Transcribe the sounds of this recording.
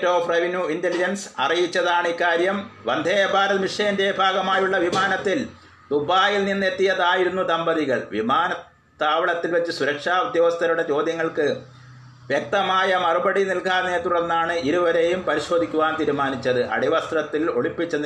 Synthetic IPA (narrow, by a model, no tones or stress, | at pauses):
tːoːfreʋinjuintelid͡ʑɐnsɐ̰rijit͡ɕːɐðaːɳɨikːaːɾjɐmʋɐnd̪ʱeːɐbʱaːɾɐðɐmiʂɐjɐnde̞bʱaːɡɐmaːjuɭːɐʋimaːnɐt̪ːil | d̪ubʱaːjilninːe̞t̪ːijɐðaːjiɾunːud̪ɐmbɐðiɣɐɭʋḭmaːnɐ | t̪ːaːʋɐɭɐt̪ːilʋɐt͡ɕːɨsuɾɐkʂaːud̪jɐːʋɐst̪ʰɐɾuɽe̞t͡ɕo̞ːd̪ʱjɐŋːɐɭkɨ | ʋjɐk̚t̪ɐmaːjɐmɐrubɐɽinilkaːneːt̪ːuɽɐnːaːɳɨiɾuʋɐɾe̞jumpɐɾiɕo̞ːd̪ʱikʲːuʋaːnt̪iːɾumaːnit͡ɕːɐðɨʔɐ̰ɽiʋɐst̪rɐt̪ːilo̞̰ɭipːit͡ɕːɐni